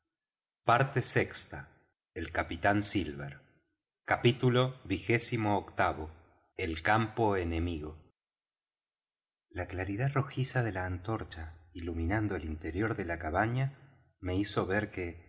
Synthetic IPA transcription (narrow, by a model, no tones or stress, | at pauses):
paɾt̪esekst̪a | elkapit̪ansilβeɾ | kapit̪ulo̞βixe̞simoːkt̪aβo̞ | elkampoene̞miɣo̞ | laklaɾiðaro̞xisaðe̞laːnt̪o̞ɾt͡ʃailumĩnand̪oelint̪e̞ɾjo̞ɾðe̞lakaβaɲa | me̞iso̞β̞eɾke